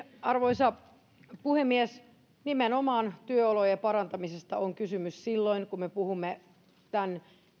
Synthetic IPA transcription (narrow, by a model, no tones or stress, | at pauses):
ɑrʋoisɑ | puhemːies | nimenomɑːnt̪yøolojepɑɾɑnt̪ɑmisest̪ɑoŋkysymyssilːoiŋkummepuhumːe | t̪æn